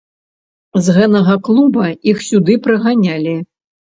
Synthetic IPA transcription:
zɣɛt̪ɐɣɐklˠubɐixsʲud̪ɨpɾɨɣanʲalʲi

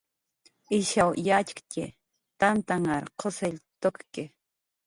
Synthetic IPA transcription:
ɪʃawjat͡ʃkcʲɪ̰ | t̪ant̪aŋaɾqʰoseʎt̪okke

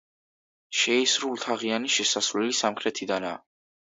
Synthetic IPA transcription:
ʃɛisɾulˠt̪ʰaʁianiʃɛsasvlɛlisamqʰɾɛt̪ʰid̪ana̰ː

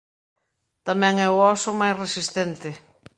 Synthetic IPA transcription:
t̪amɛ̃ŋɛʊɔsʊmajsresist̪ɛnt̪ɪ

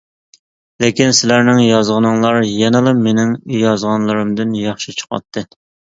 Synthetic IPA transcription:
lekʲinsɪlæɾnɪŋjɑzʁənɨŋlˠɑɾjɛnɨlˠɨmenɪŋjɑzʁɑnlˠɨɾɨmd̪ɨnjɑχʃit͡ʃʰə̥qwɑ̰t̪ʰːɨ

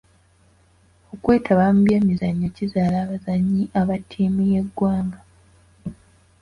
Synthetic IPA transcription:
o̞kwe̞ːtʰaβamubje̞ːmizaɲːecizaːlaːβazaɲːiʔaβatʰiːmije̞ɡːwaːŋɡa

